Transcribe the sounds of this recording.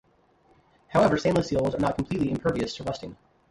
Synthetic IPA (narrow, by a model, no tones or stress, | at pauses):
haʊɛvə˞sẽɪ̃nləsilˠzə˞nət̚kʰm̩pʰl̥itˡliɨ̃mpʰɜ˞viɨstʰəɹʌstɪ̃ŋ